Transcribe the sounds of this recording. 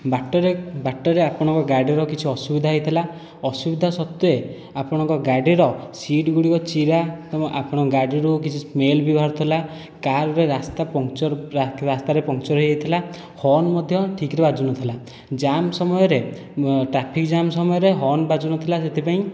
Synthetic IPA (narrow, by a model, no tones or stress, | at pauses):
baʈːɔɾebaʈːɔɾeapɔɽ̃ɔ̃ŋkɔɡaɖiɾɔkit͡ʃʰiɔsubid̪ʱaɦjt̪ʰila | ɔsubid̪ʱasɔt̪ːue | apɔɽ̃ɔŋkɔɡaɖiɾɔsiʈɡuɽikɔt͡ʃiɾatʔa̰pɔɽ̃ɔɡaɖiɾukit͡ʃʰimelbibʱaɾɔt̪ʰɔla | kaɾɔɾeɾast̪apɔŋt͡ʃɔɾɾast̪aɾepɔŋt͡ʃɔɾɦeɦejt̪ʰila | hɔnmɔd̪ʱjɔʈʰikɾebad͡ʒunɔt̪ʰila | d͡ʒamsɔmɔjɔɾe | ʈɾapʰikd͡ʒamsɔmɔjɔɾeɦɔnbad͡ʒunɔt̪ʰilaset̪ʰipaĩ